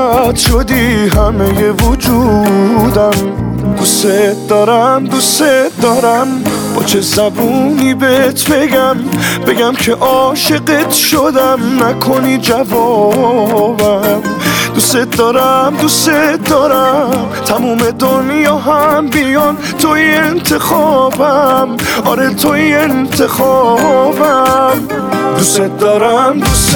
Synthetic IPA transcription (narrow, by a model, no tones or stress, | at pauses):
t̪ʃod̪iɦæme̞je̞vod͡ʒud̪æm | d̪uset̪̚d̪ɒːɾæmd̪uset̪d̪ɒːɾæmbɒ̰t͡ʃʰe̞zæbunibet̪ʰbe̞ɡæmbe̞ɡæmkʰe̞ʔɒʃeɡet̪ʃod̪æmnækʰo̞nid͡ʒævɔ | bæmd̪uset̪̚d̪ɒːɾæmd̪uset̪̚d̪ɒɾæmt̪ʰæmuːme̞d̪onjɒːɦæmbijɔn | t̪ʰoient̪ʰe̞xɒːbæm | ɒɾet̪ʰoient̪ʰe̞xɒːbæm | d̪uset̪̚d̪ɒːɾæmd̪us